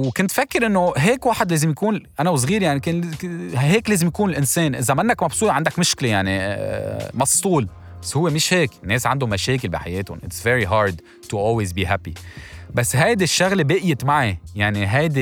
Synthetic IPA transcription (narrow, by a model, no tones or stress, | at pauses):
wkʊnt̪fakːɪɾʔɪnːoɦeːkwaːħɪd̪leːzɪmjakuːnʔanawɪs̬ɣiːɾjaʕnike | ɦeːkleːzɪmjakuːnɪlʔɪnseːnʔɪzamɪnːakmɑbsˤuːt̪ʕand̪akmɪʃklejaʕnḭ | mɑst̪ˤuːl | basːhʊwːemɪʃheːknːeːsʕand̪ʊmːaʃeːk̬ɪlbḭħajeːt̪ʊ̰nʔɪt̪svɛɾiɦɑːɾd̪ | t̪uʔoːlwizbiːɦapibasːɦajd̪ɪʃːaɣlebeːʔjɪmaʕijaʕniɦajd̪e